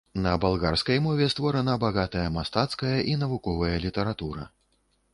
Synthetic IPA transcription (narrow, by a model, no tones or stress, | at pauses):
nɐbalˠɣarskɐjmɔvʲɛst̪vɔɾɐnɐbaɣat̪ɐjɐmast̪at̪skɐjɐʔinɐvukɔvɐjɐlʲit̪ɐɾat̪uɾɐ̰